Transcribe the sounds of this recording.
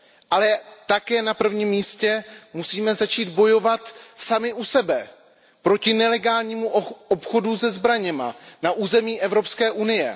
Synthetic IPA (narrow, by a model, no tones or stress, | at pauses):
ʔalɛt̪akɛːnapr̩vɲiːmːiːscɛmusiːmɛzat͡ʃiːd̪bo̞jo̞vat̪samɪʔusɛbɛ | pɾo̞cɪnɛlɛɡaːlɲiːmuopxo̞duzɛzbɾaɲɛma̰naʔuːzɛmiːʔɛvɾo̞pskɛːʔunɪjɛ̰